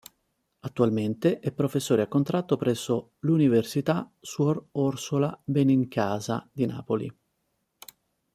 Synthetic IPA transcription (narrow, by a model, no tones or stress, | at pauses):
at̪ːualment̪eʔɛpːɾofesːoːɾeakːont̪ɾat̪ːopɾɛsːo | luniversit̪aswɔrɔrsolabɛniŋkaːzad̪ina̰ːpolḭ